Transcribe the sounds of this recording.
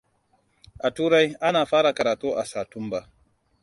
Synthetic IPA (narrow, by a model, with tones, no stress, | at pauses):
ʔa˨tuː˦ɾa˦jʔa˦naː˨ɸaː˦ɽa˨kɐ˨ɾaː˨tuː˦ʔa˨saː˨tʊ˦mba˦˨ʔ